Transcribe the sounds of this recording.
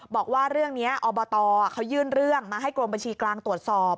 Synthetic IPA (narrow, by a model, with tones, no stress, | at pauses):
bɔː˨˩k̚waː˥˩ɾɯ˥˩əŋni˦˥ɐʔɔː˧bɔː˧t̪ɔː˧˩kʰa˦˥wjɯː˥˩nɾɯ˥˩əŋmaː˧ɦa˥˩jkɾo˧mba˧nt͡ɕʰiː˧klaː˧ŋt̪u˨˩ət̪̚sɔː˨˩p̚